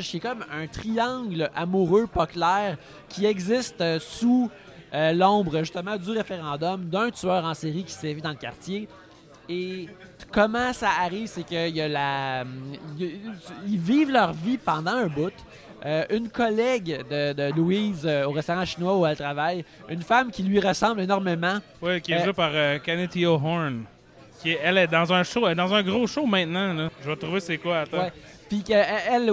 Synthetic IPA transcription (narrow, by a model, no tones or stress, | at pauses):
ʒkʲɛkɔmœ̃t̪χiɑ̃ɡlʔamuʁøpɔklɛːʁ | kʲʰiɛɡzɪst̪su | ølɔ̃ʊbʁəʒyst̪əmɑ̃dd͡z̪yʁefeʁɑ̃d̪ɔmd̪ə̃t̪yœːʁɑ̃seʁikʲi̥sɛvid̪ɑ̃ləkʲaʁt̪t͡sje | ekɔmɑ̃saːʁiːv̥sekʲəjalam | iviːvlœʁvipɑ̃d̪ɑ̃ɛ̃bʊt̪ | øʔynkʰʌlɛɡd̪əd̪əluizøoʁɛst̪ɔʁɑ̃ʃinwauɛlt̪χʁavaj | ynfamkʲilɥiʁəsɑ̃blenɔʁmemɑ̃ | wikʲjɛepaʁøkɛnet̪ioɦɔn | kʲiɛɛlɛd̪ɑ̃zɛ̃ʃoɛd̪ɑ̃zɛ̃ɡʁoʃomɛ̃t̪nɑ̃lɔʒəvɔt̪ʁuvesekwaːt̪wɛ | pikəɛɛl